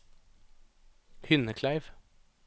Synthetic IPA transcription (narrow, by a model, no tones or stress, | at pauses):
hʏnəkʰlæɪʋ